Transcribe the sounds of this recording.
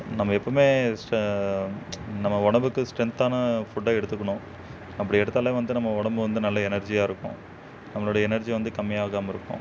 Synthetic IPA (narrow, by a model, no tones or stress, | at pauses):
nɐmːɐɛpːɐːmeːsʈ | nɐmːɐʊɳɐmbɯkːɯsʈɾɛnt̪aːnɐfʊʈːaːɛɽɯt̪ːɯkːɐɳʊ̃ | ɐpːɐɽɪɛɽɯt̪ːaːleʋɐnd̪ɯnɐmːɐʊɽɐmbɯʋɐnd̪ɯnɐlːɐɛnɐɾd͡ʒijaːɪɾɯkːʊ̰̃ | nɐmːɐɭoːɽɐɛnɐɾd͡ʒiʋɐnd̪ɯkɐmːɪjaːɣaːmɐɪɾɯkːʊ̰̃